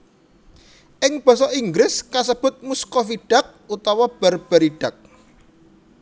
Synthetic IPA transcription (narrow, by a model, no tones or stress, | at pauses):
ʔɪŋb̥ɔ̤sɔʔiŋɡɾɪskasəb̥ʊ̤t̪̚muskɔfiɖ̥ä̤k̚ut̪ɔwab̥arb̥əɾiɖ̥a̤k̚